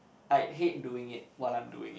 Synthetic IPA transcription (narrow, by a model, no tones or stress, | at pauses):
ʔajɦetduɪ̃ŋɪt̚wɔtãjmdṵɪ̰̃ŋ